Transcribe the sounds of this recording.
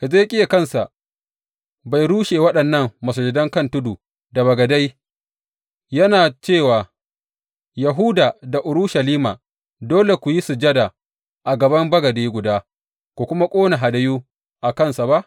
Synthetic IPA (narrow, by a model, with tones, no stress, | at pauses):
ʔɪ˨zeː˦kʲʼɪ˦ja˨kɐ˦˨nsa˨ʔ | ba˨jɾuː˦ʃeː˨wɐ˦ɗɐ˨nːɐ˦˨ŋmɐ˨so˨d͡ʒɪ˨dɐ˦ŋkɐ˦˨ntʊ˦du˨ | da˨βɐ˨ɡɐ˨da˦j | jɐ˦naː˨t͡ʃeː˦˨waː˨ | jɐ˨ɦu˦daː˨da˨ʔʊ˨ɾʊ˦ʃa˨liː˦maː˨ | doː˦le˨kʷu˨ji˦su˨d͡ʒɐ˦da˨ | ʔa˨ɡɐ˨bɐ˦mbɐ˦ɡɐ˨deː˦ɡʷʊ˨daː˦ | kʷu˨kʷʊ˦ma˦kʷʼoː˦na˨ɦa˨dɐ˦juː˦ | ʔa˨kɐ˦nsa˨ba˦ʔ